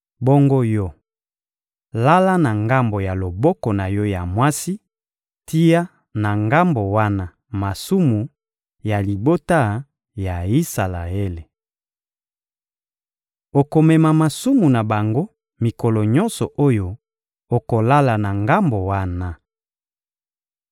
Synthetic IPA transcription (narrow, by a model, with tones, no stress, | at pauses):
bɔ˦ŋɡo˦jɔ˦ | la˦la˦na˨ŋɡa˦mbo˨ja˨lo˨bɔ˦kɔ˨na˨jɔ˦ja˨mwa˦si˦ | ti˦ja˦ | na˨ŋɡa˦mbo˨wa˦na˦ | ma˨su˦mu˨ | ja˨li˨bo˦ta˦ | ja˨i˦sa˨la̰˨e˦le˨ | o˨ko˨mɛ˨ma˨ma˨su˦mu˨na˨ba˨ŋɡo˦ | mi˨kɔ˨lɔ˨ɲɔ˦nsɔ˨ʔo˦jo˦ | o˨ko˨la˦la˨na˨ŋɡa˦mbo˨wa˦na˦